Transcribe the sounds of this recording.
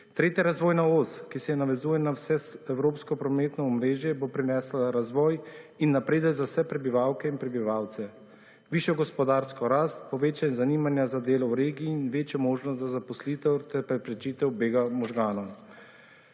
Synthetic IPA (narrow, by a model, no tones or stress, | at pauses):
t̪ɾeːt̪jaɾazʋɔːjnaoːskisɛjɛnaʋɛzuːjɛnawsɛsɛwɾoːpskɔpɾɔmeːt̪nɔɔmɾeːʒjɛbopɾinɛːslaɾazʋɔːjinːapɾeːd̪əɡzawsɛpɾɛbiʋawkɛinpɾɛbiʋaːwt̪sɛ | ʋiːʃjɔɡɔspɔd̪aːɾskɔɾast̪̚pɔʋeːt͡ʃanɛzaniːmanjazad̪eːlɔwɾeːɡiːnʋeːt͡ʃjɔmoːʒnɔst̪zazapɔsliːt̪ɛwt̪ɛɾpɾɛpɾɛt͡ʃit̪ɛwbeːɡamɔʒɡaːnɔ